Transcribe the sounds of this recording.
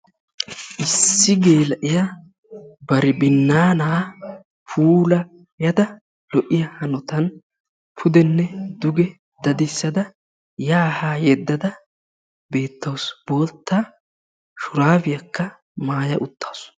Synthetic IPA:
ʔɪsːɪɡe̞ːlɐʔɪjɐ | bɐɾɪbɪnːaːnaː | pʰuːlɐ | jɐd̪ɐ | lɔʔːɪjɐhɐnɔt̪ɐn | pʰʊd̪ɛnːɛd̪ʊɡɛ | d̪ɐd̪ɪsːɐd̪ɐ | jaːhaːjɛd̪ːɐd̪ɐ | be̞ːt̪ʰːɐwsb̥o̞ːlt̪ːa | ʃʊɾaːvɪjɐkːɐ | maːjɐʔʊt̪ːḁːs

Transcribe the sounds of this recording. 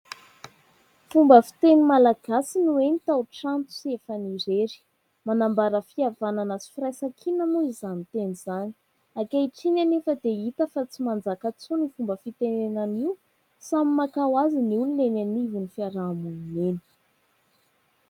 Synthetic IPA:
fumbəfi̥t̪enimalaɡ̥asinuenit̪awʈ͡ʂant̪u̥siefaniɾeɾi̥ | manambaɾəfiavananat͡si̥firajsakʰinanuizanit̪enizani̥ | akaiʈ͡ʂinanefəd̪eit̪əfat͡simand͡zakat͡sunifumbəfit̪enenaniw | samimakawaziniulunenanivinifiaɾaːmumineni̥

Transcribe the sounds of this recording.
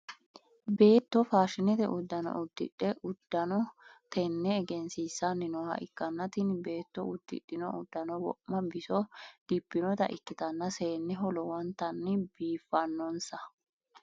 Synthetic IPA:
be̞ːt̪ːɔfaːʃɪnɛt̪ɛʔʊd̪ːɐnɔ̰ʔʊd̪ːɪ̰ᶑːɛʔʊd̪̥ːɐnɔt̪ɛnːɛːɡɛnsiːsːanːɪnɔhɐ̰ʔɪkːɐnːɐt̪ɪnbe̞ːt̪ːɔʊd̪̥ːɪ̰ɗːɪnɔʔʊd̪ːɐnɔwɔ̰ʔmːɐbɪsɔd̪̥ɪpːɪnɔt̪ɐ̰ʔɪkːɪt̪ɐnːɐseːnːɛɦɔlɔwɔnt̪ɐnːɪbiːfːɐnːɔnsɐ

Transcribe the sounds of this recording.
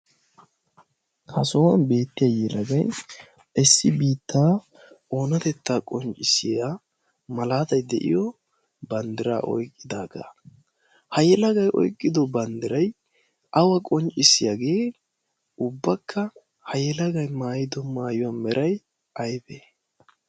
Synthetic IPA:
hɐsowɐnbe̞ːt̪ːɪjaːjɛlɐɡɐj | ɪsːɪbiːt̪ʰːaː | ʔo̞ːnɐt̪ɛt̪ːaːkʼɔnt͡ʃʼːɪsɪja | mɐlaːt̪ɐjd̪ɛʔɪ̰jɔ | bɐnd̪ɪɾa̰ːʔɔ̰jkʼːɪd̪aːɡa̰ | hɐjɛlɐɡɐjʔɔ̰jkʼːɪd̪ɔbɐnd̪ɪɾɐj | ʔɐwɐkʼɔnt͡ʃʼːɪsɪjaɡe̞ː | ʊbːɐkʰːɐ | hɐjɛlɐɡɐjmaːjɪd̪ɔmaːjʊwɐnmɛɾʔɐj | ʔɐjbeː

